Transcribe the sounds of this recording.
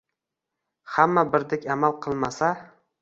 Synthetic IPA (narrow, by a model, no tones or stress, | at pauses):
hamːabɪɾd̪ɪkʲamalˠqʰɨlˠmasa